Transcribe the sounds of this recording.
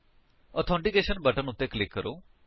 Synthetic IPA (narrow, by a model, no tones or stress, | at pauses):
ɔt̪ʰɔ̃ɳʈikeʃənbəʈənut̪ːeklɪkːəɾo